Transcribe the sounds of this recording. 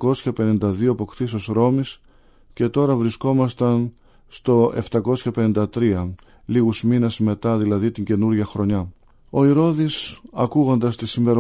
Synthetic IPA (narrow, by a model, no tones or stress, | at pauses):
ko̞sçɐpe̞nind̪ɐðio̞ɐpo̞kt̪is̬osɾo̞mis | ce̞t̪o̞ɾɐvɾisko̞mɐst̪ɐn | st̪o̞ʔe̞̰ft̪ɐko̞sçɐpe̞nind̪ɐt̪ɾiɐ | liɣuzminesme̞t̪ɐðilɐðit̪iɲɟe̞nuɾʝɐxɾo̞ɲɐ | o̞iɾo̞ðisɐkuɣo̞nd̪ɐst̪isimve̞ɾo